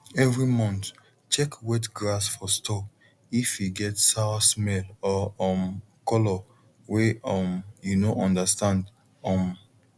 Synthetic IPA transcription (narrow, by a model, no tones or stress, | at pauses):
ɛvɹimɔ̃nt | t͡ʃɛkwɛtɡɹasfɔstɔk | ifiɡɛtsawasmɛlɔɔm | kɔlɔ | weɔmjunoʔɔ̃ndastãnd | ɔ̃m